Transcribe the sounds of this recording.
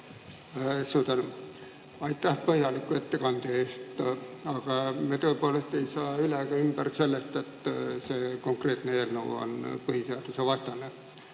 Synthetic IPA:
suːt̪ɑnu | ɑjt̪ːæhpɤhjɑlikːuet̪ːekɑnt̪eːst̪ɑɡ̥ɑmet̪øepolest̪ejsɑːyleɡ̥ɑymb̥ærselːest̪et̪sekoŋkret̪neelno̰ːo̰npɯhiseɑd̪useʋɑst̪ɑne

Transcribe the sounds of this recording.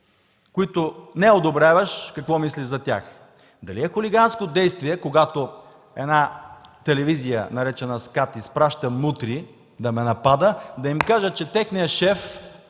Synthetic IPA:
koit̪ʊnɛod̪obɾʲavəʃkɐkvɔmisliʒzɐt̪ʲa̰x | d̪ɐliɛxʊliɡanskod̪ɛjst̪vʲiɛkoɡat̪o | ɛ̰d̪nat̪ɛlɛvizijə̰nɐɾɛt͡ʃɛnɐskat̪ispɾaʃt̪əmut̪ɾi | d̪ɐmɛnɐpad̪əd̪ɐimkaʒət͡ʃɛt̪ɛxnijɐʃɛf

